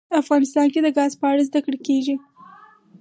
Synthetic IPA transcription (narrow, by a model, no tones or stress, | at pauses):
afɣɑnɪst̪ɑnked̪əɡɑzpəaɽazd̪akɽekeʒi